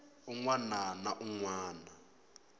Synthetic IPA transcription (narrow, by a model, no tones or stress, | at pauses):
uŋwananaʔuŋwaːna